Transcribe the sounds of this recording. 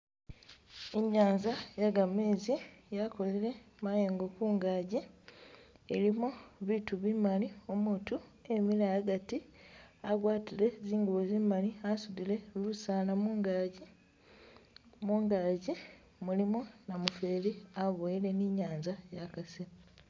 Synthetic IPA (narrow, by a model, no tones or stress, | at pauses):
eɲaːɲzajaɡameːzijako̞liɾe̞ | majeːŋɡokuːŋɡaːɟi | elimoβituβimaliomutue̞milaaɡatiaɡwaːtile̞ziːŋɡuβozimaliasudile̞lusaːnamuŋɡaɟi | muːŋɡaːɟi | mulimonamufe̞ːliaβojile̞niɲaːɲzajakasi